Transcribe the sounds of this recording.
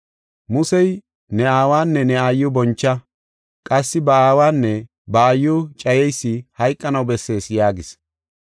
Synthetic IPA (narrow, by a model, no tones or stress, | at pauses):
mʊsɛj | nɛaːwaːnːɛnɛajːʊbɔnt͡ʃːɐ | kʼɐsːɪbɐaːwaːnːɛ | bɐːjːʊt͡ʃʼɐjɛjsːɪhɐjkʼːɐnɐwbɛsːe̞ːsjaːɡɪs